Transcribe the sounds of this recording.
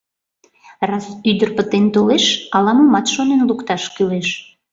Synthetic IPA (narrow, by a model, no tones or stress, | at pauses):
rɑsyd̪ərpət̪ent̪oleʃɑlɑməmɑt̪ʃonenlukt̪ɑʃkyleʃ